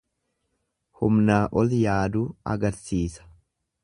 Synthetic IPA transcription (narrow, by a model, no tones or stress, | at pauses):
hʊmnaːʔɔljaːd̪uːɐ̰ɡɐɾsiːsɐ̥